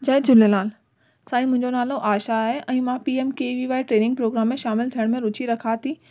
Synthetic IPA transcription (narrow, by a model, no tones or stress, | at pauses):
d͡ʑɐed͡ʑʊlelaːl | saːĩmʊ̃ɦɪ̃ɲd͡ʑonaːloʔaːʃaːɦeʔɛ̃ːmãpiːemkeːʋiʋaːɪʈɾeːnɪ̃ŋɡ̚pɾoːɡɾaːmːẽʃaːmɪlt̪ʰijəɽ̃mẽɾʊt͡ɕʰiɾɐkʰat̪ʰiː